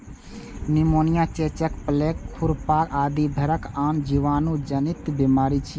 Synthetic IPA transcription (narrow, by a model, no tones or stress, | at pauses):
nimoːnijat͡ʃet͡ʃəkplekkʰːuɾpakaːd̪ibʱəɾəkaːnd͡ʒiʋaːnud͡ʒənit̪bimaːɾit͡ʃʰi